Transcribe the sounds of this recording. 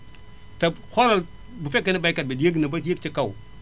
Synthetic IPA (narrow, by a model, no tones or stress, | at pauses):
ta | xoɾa | bufekːanabakad̚badijaɡnabajakt͡ʃakaw